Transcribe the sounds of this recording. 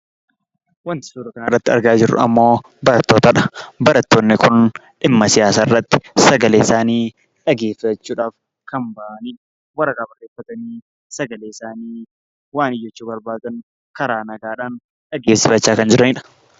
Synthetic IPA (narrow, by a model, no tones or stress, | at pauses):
wɐnt̪ɪ̥suːɾɐkɐnɐrːɐt̪ːɪɐ̰ɾɡaːd͡ʒɪɾːʊ̰ɐ̰mːo̞ː | bɐɾɐt̪ːoːt̪ɐᶑɐ̥bɐɾɐt̪ːo̞ːnːɪkʊn | ʔɪmːɐsɪjaːsaːɪrːɐt̪ːɪ̥sɐɡɐleːɪsaːniː | ᶑɐɡeːfɐt͡ʃːuːᶑaːf | kʰɐmbɐʔɐniːᶑɐ̥ | wɐrɐkaːbɐrːeːfːɐt̪ɐniː | sɐɡɐleːɪsaːniː | waːnɪjːɛt͡ʃːuːbɐɾbaːd̪ɐŋ | kɐɾaːnɐɡaːᶑaːn | ᶑɐɡeːfsɪfɐt͡ʃːaːkɐnd͡ʒɪɾɐnɪᶑɐ̥